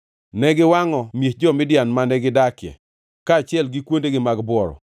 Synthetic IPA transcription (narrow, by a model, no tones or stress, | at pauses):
nɛɡɪwaŋɔmjehd͡ʒɔmɪdjanmanɛɡɪdakjɛ̰ | kaːt͡ʃɪɛlɡɪkwondeɡɪmaɡbwɔɾɔ̰